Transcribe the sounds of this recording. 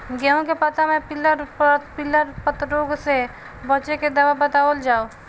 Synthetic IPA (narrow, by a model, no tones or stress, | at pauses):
ɡɛõkepət̪amɛ̃pɪləɾpɪlːəɾpət̪ɾoːɡse | bət͡ʃeked̪ɐʋabət̪aːʋəld͡ʒaːo